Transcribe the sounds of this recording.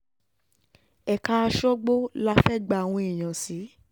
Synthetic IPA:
ɛ˨ka˧˦˧ʃɔ˦ɡ͡bo˦la˧fɛ˦˨ɡ͡ba˧˨w̃ɔ̃˧i˨j̃ã˨si˨˦

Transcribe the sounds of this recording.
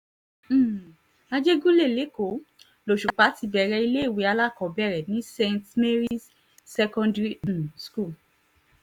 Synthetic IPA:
a˧d͡ʒe˦ɡu˦le˦˨le˨˦ko˨˦ | lo˨ʃu˨k͡pa˨˦ti˧bɛ˨ɾɛ˧i˧le˦˨we˨˦a˧la˦˨kɔ̃˨bɛ˦˨ɾɛ˨nĩ˦sẽ˧ntme˦ɾi˦sː | ɛ˧kɔ̃˧ndɾi˦˨sku˦˨

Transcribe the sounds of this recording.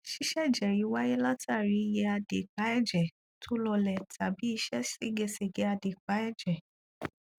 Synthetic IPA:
ʃi˦ʃɛ˦˨d͡ʒɛ˨ji˨˦wa˦je˦la˦ta˦˨ɾi˨˧je˧a˧de˨k͡pa˨˦ɛ˦˨d͡ʒɛ˨ | tʰo˦lɔ˧lɛ˨tʰa˨bi˨˦i˧ʃɛ˦si˦ɡe˧se˧˨ɡe˨˦a˧de˨k͡pa˨˦ɛ˦˨d͡ʒɛ˨

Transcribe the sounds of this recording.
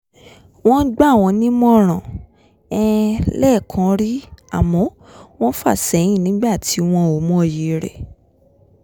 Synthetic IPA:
w̃ɔ̃˦ɡ͡ba˦˨w̃ɔ̃˧nĩ˦mɔ̃˦˨ɾ̃ã˨ | ɛ˦lɛː˦˨kʰã˧˦ɾi˦a̰˨mɔ̃˨˦ | w̃ɔ̃˦fa̰˦˨sɛ˨˦j̃ĩ˦˨nĩ˨˦ɡ͡ba˦˨tʰi˨˦w̃ɔ̃˧o˨mɔ̃˦˨je˨˦ɾɛ̰˨

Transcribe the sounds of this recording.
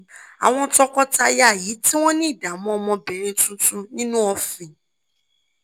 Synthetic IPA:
a̰˨w̃ɔ̃˧tɔ˧kɔ˦ta˧ja˦˨ji˨˦ti˦w̃ɔ̃˦nĩ˦˨da˨mɔ̃˨˦ɔ˧mɔ̃˧bɛ˨ɾẽ˧tũ˦tũ˦nĩ˦nũ˦ɔ˧fĩ˨

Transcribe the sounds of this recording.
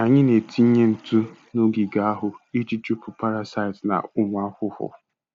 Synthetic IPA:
a˨ɲɪ˦ne˨tʰi˦ɲe˦n̩˨tu˦no˦ɡi˨ɡa˦a˦ɦʊ˨i˦t͡ʃi˦t͡ʃu˦pʊ˨pa˦ɾa˨sa˦ɪ˨tna̰˨ʊ˦m˨a˦kʷʊ˦hʊ̰˨

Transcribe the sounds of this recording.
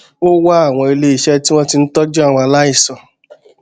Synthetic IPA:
o˦wa˦a˦˨w̃ɔ̃˧i˧le˧˦i˨ʃɛ˦ti˦w̃ɔ̃˦ti˧n̩˦tɔ˦d͡ʒu˦a˦˨wɔ̃˧a˧la˦i˦˨sɔ˨

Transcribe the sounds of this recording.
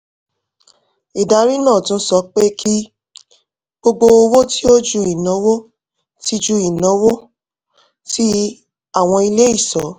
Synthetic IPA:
i˨da˨˧ɾi˦nãː˦˨tũ˦sɔ˧˦k͡pe˦kʰi˦ | ɡ͡bo˧ɡ͡bo˧o˧wo˦ti˦o˦d͡ʒu˧i˨nã˨˦wo˦ | ti˧d͡ʒu˧i˨nã˨˦wo˦ | tʰi˦ | a˦˨w̃ɔ̃˧i˧le˦i˦˨sɔ˨˦

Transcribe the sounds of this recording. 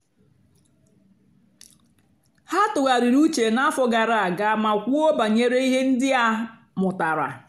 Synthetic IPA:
ha˦tʊ˨ɣa˨ɾi˨ɾu˦t͡ʃe˨na˦fɔ˨ɡa˨ɾa˨a˨ɡa˨˦ma˨kʷu˦o˦ba˨ɲe˦ɾe˦i˦ɦe˦n̩˦dɪ˦a˦ | mʊ˨ta˨ɾa̰˨

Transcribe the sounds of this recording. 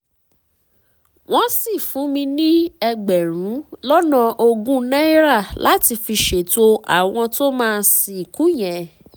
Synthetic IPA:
w̃ɔ̃˦si˦˨fũ˨˦mĩ˧nĩ˦ɛ˧ɡ͡bɛ˨ɾ̃ũ˨˦lɔ˦nã˧ʔo˧ɡũ˦nɛ̃˦i˦ɾa˦˨lʔa˨˦ti˧fi˧ʃe˨to˧a̰˨w̃ɔ̃˧to˦mãː˦˧˦si˨ku˦j̃ɛ̃˨

